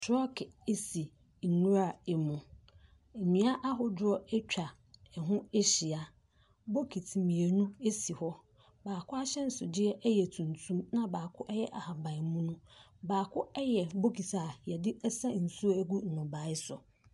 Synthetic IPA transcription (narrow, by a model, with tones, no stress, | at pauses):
tʰɾɔ˦kʰe˦si˨ | nũ˦ɾa˦˨e˨mũ˨ | e˨mĩ˨˦a˦ʔa˦ɦʊ˨dʊ˦ɔ˦ɛ˦t͡ɕᶣa˨ | ɛ˨ɦʊ̃˦e˦ɕi˨a˨ | bo˦kʰi˨tʰmĩ˨e˨nũ˦e˦si˨hɔ˦ | baː˨kʰʊ˦a˦ɕɛ˦n̩˦sʊ˨dɪ˦ɛ˦ʔɛ˦jɛ˨tʰũ˨ntʰũ˦mnã˦baː˨kʰʊ˦ʔɛ˦jɛ˦ʔa˨ha˨bã˨ɪ˨mũ˦nũ˦ | baː˨kʰʊ˦ɛ˦jɛ˨bo˦kʰi˨tʰa˨jɛ˨dɪ˦ɛ˦sa˦n̩˨su˦o˦æ˦ɡu˦n̩˨nʊ̃˨ba˨˦ɪ˦sʊ˨